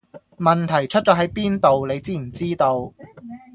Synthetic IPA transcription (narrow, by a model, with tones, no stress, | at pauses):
mɐ˨nt̪ʰɐ˨˩jt͡ʃʰɵ˥t̚t͡ʃɔː˨˥ɦɐ˨˥jpiː˥nt̪o˨wle˨˧jt͡siː˥m̩˨˩t͡siː˥t̪o˧w